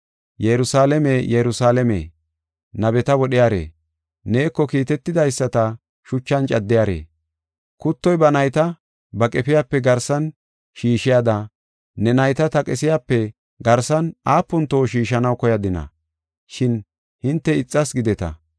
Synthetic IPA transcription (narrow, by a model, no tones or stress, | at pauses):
jɛɾʊsaːlɛmejɛɾʊsaːlɛmḛː | nɐbɛt̪ɐwɔɗɪjaːɾḛː | ne̞ːkːɔkiːt̪ɛt̪ːɪd̪ɐjsːɐt̪ɐ | ʃʊt͡ʃːɐnt͡ʃʼɐd̪ːɪjaːɾḛː | kʊt̪ːɔjbɐnɐjt̪ɐ | bɐkʼɛpɪjaːpːɛɡɐɾsɐn | ʃiːʃɪjaːd̪ɐ | nɛnɐjt̪ɐt̪ɐkʼɛsɪjaːpːɛ | ɡɐɾsɐnaːpːʊnt̪o̞ːʃiːʃɐnɐwkɔjɐd̪ɪnɐ̰ | ʃɪn | hɪnt̪ːɛɪt͡sʼːɐsɡɪd̪ɛt̪ɐ̰